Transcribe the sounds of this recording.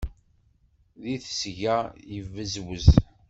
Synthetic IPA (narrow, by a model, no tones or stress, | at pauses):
ðiθsʝæjəvːəzwəz